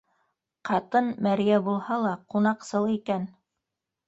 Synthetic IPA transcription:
qɑt̪ɤnmæɾijæbulˠhɑlˠɑqunɑqsɤlˠikæn

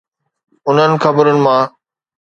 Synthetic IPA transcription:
ʊn̤ənɪ̆xɐbəɾʊnɪ̆mãː

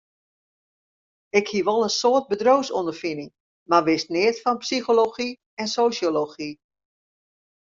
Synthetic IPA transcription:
ɪkhiəʋɔlˠənsoːərt̚bədrowsondərfinɪŋ | marʋɪstnɪətfɔnpsixoloxi | ɛnsoːsjoloxi

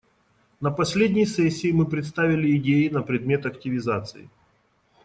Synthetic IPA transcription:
nəpɐsʲlʲedʲnʲɪjsɛsʲːɪːmɨpɾʲɪt̪st̪avʲɪlʲɪːdʲejɪnəpɾʲɪd̪mʲe̞t̪ɐktʲɪvʲɪzat̪sɨɪ̰

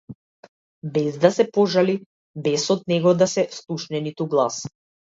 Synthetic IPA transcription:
bɛzd̪asɛpɔʒali | bɛsɔd̪nɛɡɔd̪asɛslˠuʃnɛnit̪uɡlˠas

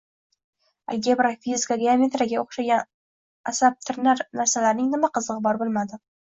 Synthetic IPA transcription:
a̰lɡʲebɾafizkad̪ʲɪamʲe̞t̪ɾaɡʲaoχʃaɡʲan | asap̚t̪ʰɪɾnaɾnaɾsalaɾnɪŋnɪmaqʰɨzɨʁɨbɒɾbolˠmad̪ɪ

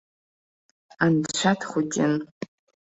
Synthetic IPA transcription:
andt͡ʃʷʰatʰχʷʊd͡ʒʲʼɪn

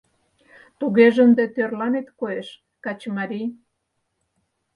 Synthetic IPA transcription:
t̪uɣeʒə̆nd̪et̪ørlɑnet̪koeʃ | kɑt͡ɕmɑɾʲij

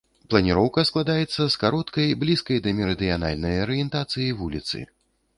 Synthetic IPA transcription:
plˠɐnʲiɾɔwkɐsklˠad̪ajɛt̪sːɐskaɾɔt̪kɐjblʲiskɐjd̪ɐmʲɛɾɨd̪ɨjana̰lʲnɐjɐɾɨjɛnt̪at̪sɨjivulʲit̪sɨ̰

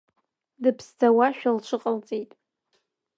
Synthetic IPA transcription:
dɨpʰstʰawaʃᶣalt͡ʃʷʰɨqʼalt͡sʼijtʼ

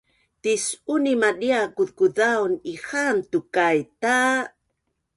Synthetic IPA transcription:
t̪isunimadiakuð̚kuðawnixant̪ukajt̪a

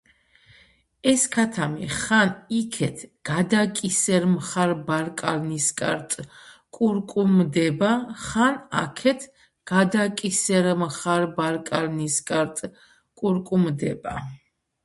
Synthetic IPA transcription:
ɛskʰat̪ʰamḭχanikʰɛt̪ʰɡ̥ad̪akʼisɛɾmχaɾbaɾkʼaɾniskʼa̰ɾt̪ʼkʼuɾkʼumd̪ɛbaχana̰kʰɛt̪ʰ | ɡ̥ad̪akʼisɛɾmχaɾbaɾkʼaɾniskʼaɾt̪ʼ | kʼuɾkʼumd̪ɛba̰

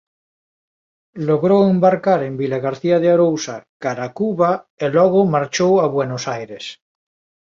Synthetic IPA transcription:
loɣɾoembaɾkaɾembilaɣaɾθiaðeaɾowsakaɾakuβaelɔɣ̞omaɾt͡ʃowaβwenosajɾes

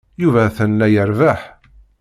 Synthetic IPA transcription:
juvæθənːæjəɾvæħ

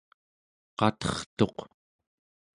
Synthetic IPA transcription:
qɑt̪ʌχt̪o̞q

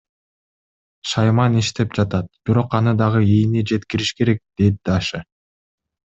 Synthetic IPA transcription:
ʃɑjmɑniʃt̪e̞pd͡ʒɑt̪ɑt̪̚b̥iɾo̞qɑnɯd̪ɑʁɯijnid͡ʒe̞t̪kiɾiʃke̞ɾe̞k̚d̪̥e̞d̪id̪ɑʃɯ

